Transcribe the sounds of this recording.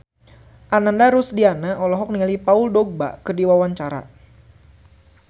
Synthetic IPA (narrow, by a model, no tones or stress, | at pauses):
ʔanandaɾusdianaʔɔlɔɦɔk̚nialipauldɔɡ̚ba̰kərdiwawaɲt͡ʃaɾa̰